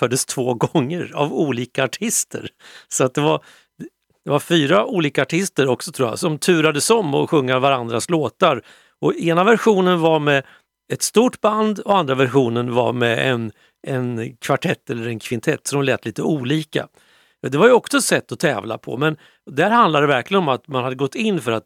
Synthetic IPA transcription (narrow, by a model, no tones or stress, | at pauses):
fœːɖəst̪ʰvoːɡɔŋːəɾa̰vuːliːkaːʈʰɪst̪ə̰ɾsɔat̪̚d̪ɛvaɾ | d̪ɛvaɾfyːɾaʔuːliːkaːʈʰɪst̪əɾɔksɔt̪ʰɾuːja̰sɔmt̪ʰʉ̟ːɾad̪əsɔmːɔɧɵŋːaɾvaɾand̪ɾasloːt̪aɾ | ɔeːnavæɾɧuːnənvaɾmɛ | ɛt̪st̪uːʈband̪ɔand̪ɾavæɾɧuːnənva̰mɛʔɛn | ɛnkʰvaʈʰɛt̪ːɛlːəɾɛnkʰvɪnt̪ʰɛt̪ːsɔd̪ɔmlɛːt̪ʰliːt̪əuːliːka̰ | d̪ɛvaɾjəɔksɔsɛt̪ːɔt̪ʰɛːvla̰pʰɔ̰mɛn | d̪æɾhand̪ad̪ɛvæɾklɪɡənɔmat̪manhad̪ːəɡɔt̪ʰːɪnːfœɾat̪